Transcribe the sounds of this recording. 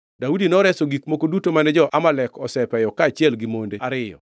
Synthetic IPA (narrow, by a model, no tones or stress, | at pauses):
daudinɔɾɛsoɡikmokodutomanɛd͡ʒɔʔamalɛkɔsɛpɛjɔkaːt͡ʃɪjɛlɡimondeaɾɪjɔ̰